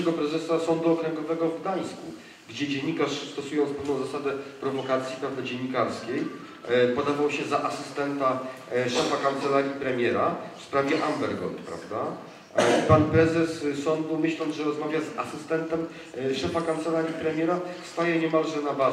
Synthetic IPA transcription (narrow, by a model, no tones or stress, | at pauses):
ɛɡɔpɾɛzɛsasɔnd̪uɔkɾɛŋɡɔvɛɡɔvd̪aj̃sku | ɡd͡ʑɛd͡ʑeɲːikaʂst̪ɔsujɔ̃nt̪spɛvnɔ̃w̃zasad̪ɛpɾɔvɔkat̪sʲjipɛvd̪ɔd͡ʑeɲːikaɾskʲej | pɔd̪avawɕɛzaʔasɘst̪ɛnt̪a | ʂɛfakant̪sɛlaɾʲipɾɛmʲjɛɾafspɾavʲjɛʔambɛɾɡɔ̰nt̪pɾa̰vd̪a | panpɾɛzɛsːɔnd̪umɘɕlɔnd̪ʐɛɾɔzmavʲjaza̰sɘst̪ɛnt̪ɛm | ʂɛfakant̪sɛlaɾʲipɾɛmʲjɛɾafst̪ajɛɲɛmalʐɛnaba